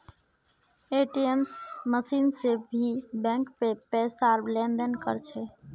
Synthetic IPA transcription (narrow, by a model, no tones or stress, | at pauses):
eʈiemsməsinsebʱibɛ̃ŋkpepesaɾblenɖ̪ənkə̰ɾt͡ʃʰɛ